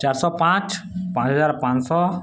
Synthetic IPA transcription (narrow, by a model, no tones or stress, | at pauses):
t͡ʃaɾsɔpãt͡ʃ | pãt͡ʃɦəzaɾpãt͡ʃsɔ